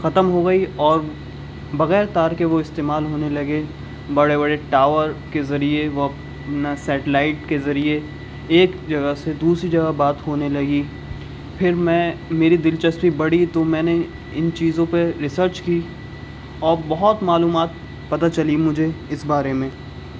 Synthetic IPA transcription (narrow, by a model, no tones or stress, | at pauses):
xɐt̪əmɦoɡɐiɔːɾ | bɐɣɛːɾt̪aːɾkeʋoɪst̪eːmaːlɦoːnelɐɡe | bɐɽebɐɽeʈaːʋəɾkezɐɾieʋop | nasɛːʈlaːɪʈkezɐɾieː | kd͡ʒɐɡəsed̪uːsɾid͡ʒɐɡabaːt̪ɦoːnelɐɡi | pʰɪɾmɛ̃meːɾid̪ɪlt͡ʃɐspibɐɽit̪omɛ̃ːne | ɪnt͡ʃiːzõpeɾɪsəɾt͡ʃkiː | ɔːɾbɐɦʊt̪maːluːmaːt̪̚ | pɐt̪at͡ʃɐlimʊd͡ʒʱeɪsbaːɾemẽː